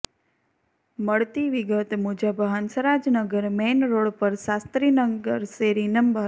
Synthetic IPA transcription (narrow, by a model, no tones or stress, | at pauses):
məɭt̪iʋiɡət̪mud͡ʒəbɦansəɾad͡ʒnəɡəɾmenɾoɭpəɾsast̪ɾinəɡəɾseɾinəmbʱa